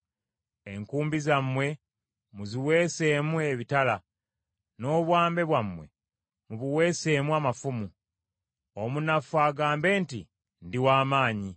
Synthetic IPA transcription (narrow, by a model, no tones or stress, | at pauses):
e̞ŋkuːmbizamːwe̞ | muziwe̞ːse̞ːmue̞βitala | no̞ːβwaːmbe̞βwamːwe̞̰ | muβuwe̞ːse̞ːmuamafumu | omunafuaːɡaːmbe̞ːnti | ndiwaːmaːɲi